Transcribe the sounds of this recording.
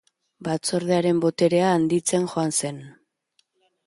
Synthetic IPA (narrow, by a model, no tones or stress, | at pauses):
bat͡so̞ɾðeaɾe̞mbo̞t̪e̞ɾe̞aːnd̪it͡se̞nxo̞anse̞n